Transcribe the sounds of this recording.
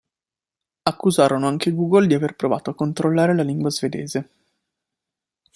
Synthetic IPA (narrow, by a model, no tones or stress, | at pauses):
akːuzaːɾonoaŋk̟eɡuːɡold̪iaverpɾova̰ːt̪oakːont̪ɾolːaːɾelaliŋɡwazved̪ḛːze